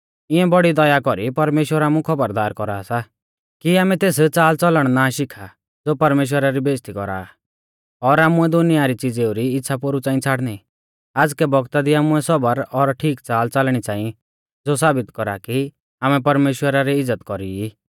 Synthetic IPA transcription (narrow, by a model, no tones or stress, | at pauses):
ɪɛ̃bɔɽid̪ɔjakɔɾipɐɾmeːʃwəɾaːmũkʰɔbəɾd̪aːɾkɔɾaːsa | kiaːmɛ̃t̪eːst͡saːlt͡sɔləɽ̃naʃɪkʰa | d͡zoːpɐɾmeːʃ̬wəɾaɾibeːst̪ikɔ̰ɾa̰ː | ɔɾaːmuɛd̪ʊnɪjaɾit͡sɪd͡zeːuɾiɪtːsʰapoɾut͡sãːĩt͡sʰaːɽni | aːd͡zkɛbɔɡt̪ad̪iaːmuɛsɔbəɾɔɾʈʰiːkt͡saːlt͡salɽ̃it͡sãːĩ | d͡zoːsaːbɪt̪kɔɾa̰ki | aːmɛpɐɾmeːʃwəɾaɾiɪzːət̪kɔɾiiː